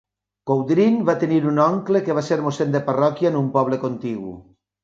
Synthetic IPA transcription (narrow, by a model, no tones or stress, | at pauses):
kowd̪ɾinβat̪eniɾunɔŋklekeβaseɾmosend̪eparɔkiaenumpɔβ̞lekont̪iɣṵ